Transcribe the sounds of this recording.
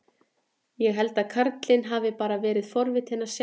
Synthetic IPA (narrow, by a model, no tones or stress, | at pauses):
jɛɣɦɛlt̪aðkʰaɾt̪lɪnɦaːvɪpaːɾavɛːɾɪðfɔɾvɪt̪hɛnːaɾ̥s